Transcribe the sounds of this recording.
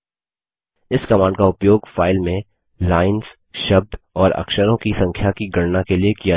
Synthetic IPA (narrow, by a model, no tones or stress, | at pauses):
ɪskɐmãːɳɖkaʊpjoːɡfaːɪlmẽ | laːɪnz | ʃɐb̚d̪ɔːɾɐ̰kʃəɾõkisɐ̃ŋkʰjakiɡɐɽnakeliekija